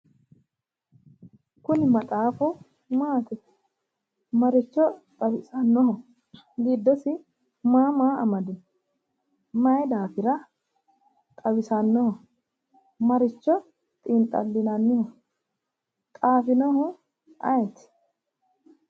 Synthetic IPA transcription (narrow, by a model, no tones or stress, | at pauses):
kʊnɪmɐt̪ʼaːfɔ | maːt̪ɛt | mɐɾɪt͡ʃːɔt̪ʼɐbɪsɐnːɔhɔ | ɡiːd̪ːɔsɪ | maːmaːɐmɐd̪ɪn | mɐjd̪aːfɪɾɐ | t̪ʼɐbɪsɐnːɔhɔ | mɐɾɪt͡ʃːɔ | t̪ʼɪnt̪ʼɐ̰lːɪnɐnːɪhɔ | t̪ʼaːfɪnɔhɔ | ʔɐjɛt̪ɪ̥